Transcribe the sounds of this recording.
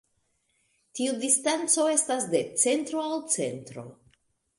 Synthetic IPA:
tiudistant͡so̞e̞stasde̞t͡se̞ntɾo̞awt͡se̞̰ntɾo̞̰

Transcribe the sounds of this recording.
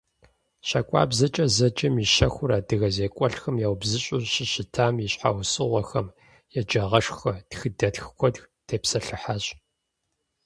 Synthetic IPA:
ɕɐkʷʼa̰ːbzɐt͡ʃʼɐzɐd͡ʒʼɐmiʃɐxʷʊɾaːdɨɣɐzeːkʷʼɔɬxɐmjaːwbzɨɕʼʊɕɪɕɪtʰaːmjiɕħa̰wsɨʁʷɔxɐm | jɛd͡ʒɐʁɐʂxɐtxɨdɐtxkʷʰɔdxtʰeːpsɐɬɨħaɕʼ

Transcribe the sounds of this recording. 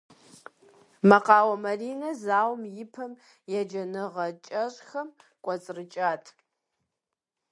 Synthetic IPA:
mɐqɑːwɐmɐriːnɐzaːwmjɪpʰɐm | jɛd͡ʒɐnɨʁɐt͡ʃʼɐɕʼxɐmkʷʼɔt͡sʼrɨt͡ʃʼaːtʰ

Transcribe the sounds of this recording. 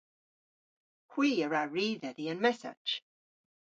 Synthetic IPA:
hw̥iːəɹaɹiːðəðiə̃nmɛsa̰̥t͡ʃ

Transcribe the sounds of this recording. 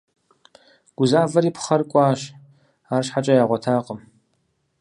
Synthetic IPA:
ɡ̥ʷʊzaːvɐɾiːpʰχɐrkʷʼaːʃ | aːrʃħat͡ʃʼɐjaːʁʷɔtʰaːqʼəm

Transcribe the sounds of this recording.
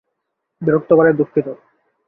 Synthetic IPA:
biɾok̚t̪ːokaɾed̪ukʰːit̪o

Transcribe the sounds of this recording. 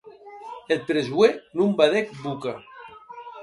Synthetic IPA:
elpɾezwenumbaðek̚buka

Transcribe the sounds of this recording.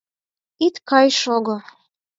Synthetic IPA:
it̪kɑjʃoɣo

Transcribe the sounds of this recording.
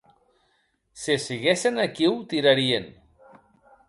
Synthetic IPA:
sesiɣesenakiwt̪iɾaɾien

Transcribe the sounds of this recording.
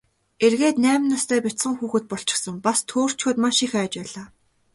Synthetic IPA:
erɣeːt̪næːmnast̪ʰæːpʲit̪sə̆ŋxuːxɘ̆t̪̚pɔɬt͡ɕɪ̥̆xsə̆ŋpast̪ʰoːr̥t͡ɕxoːt̪maʃixæːt͡ɕpæːɮaː

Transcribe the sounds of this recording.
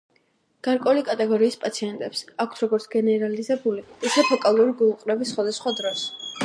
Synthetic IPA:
ɡ̥aɾkʼɔulikʼat̪ʼɛɡɔɾiːspʼat̪sʰiɛnt̪ʼɛpsakʰt̪ʰɾɔɡɔɾt̪sɡ̥ɛnɛɾalizɛbuliisʰɛpʰɔkʼalˠuɾiɡulˠqʼɾɛbisːχwad̪asχwad̪ɾɔs

